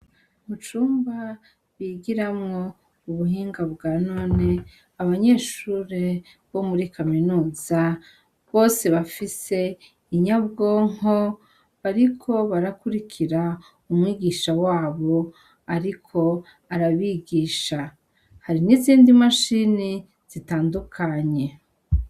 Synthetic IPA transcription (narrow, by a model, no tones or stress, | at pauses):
mut͡ʃuːmba | βiːɡiɾamŋo̞ | uβuɦiːŋɡaβɡaːnoːne̞ | aβaɲe̞ːʃuːɾe | βo̞muɾikʰaminuːza | βo̞ːse̞βafise̞ | iɲaβɡoːŋɦo̞ | βaɾikʰo̞βaɾakuɾikʰiɾa | umwiːɡiːʃawaːβo̞ | aɾikʰo̞ | aɾaβiːɡiːʃa | haɾiniziːndimaʃini | z̥itaːndukʰaɲe̞